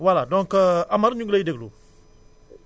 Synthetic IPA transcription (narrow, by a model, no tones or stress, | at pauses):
waladɔ̃ŋkamaɾɲũɡlaideɡlo̰